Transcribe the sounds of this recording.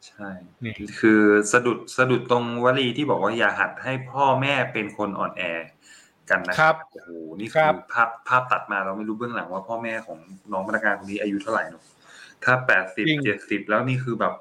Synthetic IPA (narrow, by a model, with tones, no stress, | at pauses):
t͡ɕʰa˥˩j | kʰɯː˧sa˧du˨˩t̪̚sa˧du˨˩t̪ːo˧ŋwaː˦˥liː˧t̪ʰiː˥˩bɔː˨˩k̚waː˥˩jaː˨˩ɦa˨˩t̪̚ha˥˩jpʰɔː˥˩mɛː˥˩pe˧nkʰo˧nʔɔ̰ː˨˩nʔɛː˧ | ka˧nːa˦˥ʔo˧˩hoː˨˩niː˥˩kʰɯ˧pʰaː˥˩pʰːaː˥˩p̚t̪a˨˩t̪̚maː˧ɾlːma˥˩jɾuː˦bɯ˥˩əla˩˦ŋwaː˥˩pʰɔː˥˩mɛː˥˩kʰɔː˩˦ŋnɔː˦˥ŋma˧˩ɾa˧aː˧nkʰo˧niː˦˥ʔaː˧ju˦˥t̪ʰa˥˩ɾa̰˨˩jnɔ˨˩ | t̪ʰaː˥˩pɛː˨˩t̪̚si˨˩t͡ɕe˨˩t̪̚si˨˩p̚lɛː˦˥wniː˥˩kʰɯː˧bɛː˨˩p̚